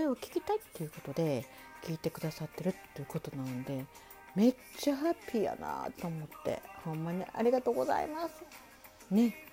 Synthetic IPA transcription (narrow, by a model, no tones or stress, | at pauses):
koɾeokʲi̥kʲit̪ait̪ːe̞jɯ̟ko̞t̪o̞d̪e̞ | kʲiːt̪e̞kɯ̟d̪asat̪ːe̞ɾɯ̟t̪ːejɯ̟ko̞t̪o̞nannod̪e̞ | me̞ | t͡ɕːaɦapʲːiːja̰na̰t̪o̞ːmo̞t̪ːe̞̰hõ̞mːaɲ̟ḭʔa̰ɾʲiɡat̪oːɡo̞za̰ḭmasɨ̥ | ne̞